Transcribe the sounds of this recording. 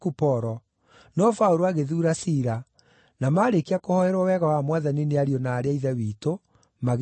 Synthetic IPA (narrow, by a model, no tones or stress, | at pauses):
kupɔɾɔ | nɔfauɾoaɣeðuːɾasiɾa | namaːɾekiakohɔhɛɾwawɛɣawamwaðanineaɾiɔnaːɾeaiðawiːto | maɣ